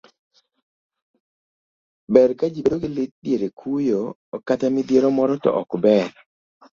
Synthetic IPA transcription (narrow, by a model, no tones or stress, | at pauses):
bɛɾkad͡ʒibedoɡɪlɪt̪̚djeɾekʰujo | katamid̪jeɾomɔɾɔtɔ̰ʔɔ̰kbɛɾ